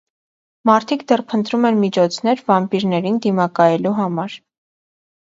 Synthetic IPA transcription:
mɑɾt̪ʰikd̪ɛrpʰənt̪ɾumɛnmit͡ʃʰɔt͡sʰnɛɾvɑmpiɾnɛɾind̪imɑkɑjɛluɦɑmɑɾ

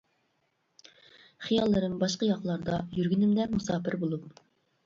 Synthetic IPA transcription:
χijɑlˠːɨɾɨmbɑʃqəjɑqlˠɑɾd̪ɑjyɾɡʲynɪmd̪ɛmusɑːpɪɾbolˠup̚

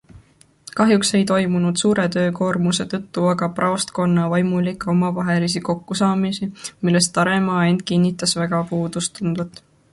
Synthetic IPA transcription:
kɑɦjukse̞jt̪o̞jmunud̪̥suːɾe̞t̪ø̞ːko̞ːrmuse̞t̪ɤt̪ːuɑɡɑprɑost̪ko̞nːɑvɑjmulikːˑo̞mɑvɑɦe̞lis̬iko̞kːusɑːmisimilːe̞st̪ːɑɾe̞mɑːe̞nd̪̚kinʲːit̪ːˑɑsveɡ̥ɑpuːd̪̥ust̪und̪vɑt̪ːˑ

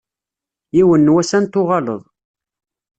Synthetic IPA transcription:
iwənːwæsænt̪ʊʁɑlə̰ðˤ

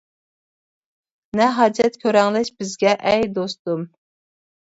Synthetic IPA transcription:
nɛɦɑd͡ʒɛt̪kʲʰøɾɛŋlɛʃb̥ɪzɡʲɛʔɛjd̪ost̪um

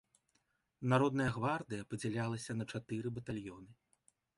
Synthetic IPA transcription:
naɾɔd̪nɐjɐɣvard̪ɨjɐpɐd͡zʲɛlʲalˠɐsʲɐnɐt͡ʂat̪ɨɾɨbɐt̪alʲjɔnɨ

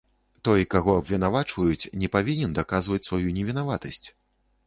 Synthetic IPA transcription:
t̪ɔjkaɣɔɐbvʲɛnavat͡ʂvɐjut͡sʲnʲɛpavʲinʲɛnd̪akazvɐt͡sʲsvajunʲɛvʲɛn̪avat̪ɐsʲt͡sʲ

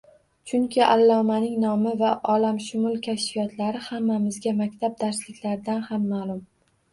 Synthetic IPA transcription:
t͡ʃʰʊŋkʲʰɪʔalːɒmanɪŋnɒmɪvaʔɒlamʃʊmʊlˠkʲʰaʃfijɒt̪ʰlaɾɪhamːamɪzɡʲamakʲt̪ʰab̚d̪aɾslɪkʲlaɾɪd̪anhamːalʊm

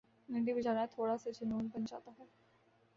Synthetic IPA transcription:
nɪ̃ɳɖibid͡ʒaːnat̪ʰoːɽased͡ʒenoːnbənd͡ʒa̰ːt̪aɦɛː

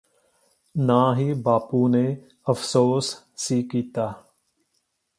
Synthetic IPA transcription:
nãːɦiːbaːpuːneː | əfsoːsː | iːkiːt̪aː

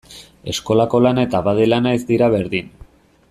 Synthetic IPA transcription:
e̞sko̞lako̞lanet̪aβaðelanaizd̪iɾaβe̞ɾðin

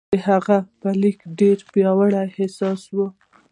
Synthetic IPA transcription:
əhaɣapəlikɖeɾpjɑwaɽajhɪsɑswə

